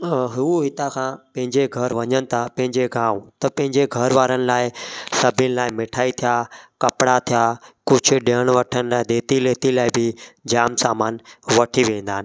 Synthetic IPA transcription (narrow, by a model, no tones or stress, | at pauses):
ɦuɦɪt̪akʰãːpɐ̃ɦɪ̃ɲd͡ʑeɡʱɐɾʋɐɲənɪ̆t̪ʰapɐ̃ɦɪ̃ɲd͡ʑeɡʱãːũt̪ɐpɐ̃ɦɪ̃ɲd͡ʑeɡʱɐɾʋaːɾənɪ̆laːɪsɐbʱɪnɪ̆laːɪmɪʈʰaːit̪ʰijakɐpɽat̪ʰijaːkʊd͡ʑʰʱʊ̆ɗeəɽ̃ʋɐʈʰənɪlaːɪd̪eːt̪ileːt̪ilaːɪbɪd͡ʑaːmsaːmaːnʋɐʈʰiʋẽːnd̪aːɦɪnɪ̆